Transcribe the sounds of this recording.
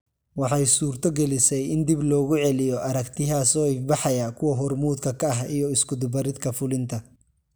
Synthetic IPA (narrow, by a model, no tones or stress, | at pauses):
wɑħɑjsuːrt̪ʰɔɡɛlɪsɛjɪnd̪iblɔːɣʊʕɛlɪjɔʔɐɾɐkt̪ʰɪɦaːsɔːɪbɑħɑjɐkʰʊwɐɦɔrmuːd̪kʰɐkʰɐːɦijɔɪskʊd̪ʊbɐɾɪd̪kʰɐfʊlɪnt̪ʰɐ